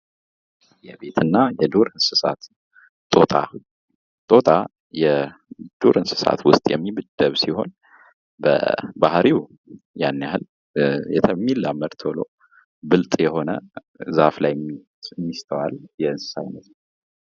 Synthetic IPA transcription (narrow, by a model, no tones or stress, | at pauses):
jɛbe̞t̪ʰɨnːajɛd̪oɾɨnsɨsat̪ | t̪ʼo̞t̪ʼa | t̪ʼo̞t̪ʼa | jɛd̪̥oɾɨnsɨ̥sa̰t̪wʊst̪ʼjɛmːibɨd̪̥əβsiho̞̰n | bə̰bahɾi | janːjahɨl | jɛt̪ʰəmːilaməɾt̪ʰolo̞̰ | bɨlt̪ʼjɛho̞nə | zaflaj | mːist̪ʰəwaljɛɨnsɨ̥sajnət̪n